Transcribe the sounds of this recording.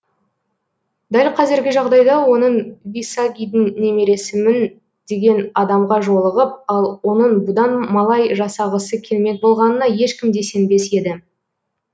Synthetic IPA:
d̪ælʲqʰɑzeɾɡʲɪʒɑʁd̪ɑjd̪ɑwo̞nəɴvijsɑɡʲijd̪ɪŋne̞me̞ɾe̞sɪmɪn | d̪̥e̞ɡʲe̞nɑd̪ɑmʁɑʒo̞lˠəʁəp̚ɑlˠwo̞nəɴbʊd̪ɑnmɑlˠɑjʒɑsɑʁəsəkʲʰe̞lme̞k̚bo̞lˠʁɑnənɑje̞ʃkʲɪmd̪e̞se̞nbe̞se̞d̪ɪ

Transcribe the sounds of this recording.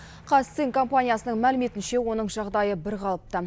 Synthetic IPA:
qʰɑsiŋkʰo̞mpanʲijasənəɴmælɪme̞t̪ɪnʃe̞wo̞n̪əɴʒɑʁd̪ɑjəbɪɾqʰɑlˠəp̚t̪ə

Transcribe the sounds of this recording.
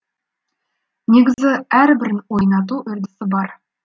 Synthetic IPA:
ne̞ɡʲɪzɪæɾbɪɾɪnwo̞jnɑt̪̬uʔʏɾd̪ɪsɪbɑɾ

